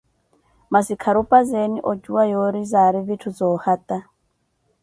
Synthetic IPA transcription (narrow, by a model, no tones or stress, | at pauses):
masikʰaɾupʼazeniʔɔd͡ʒuajoɾizaɾiβitʰud͡zɔːhat̪ʼa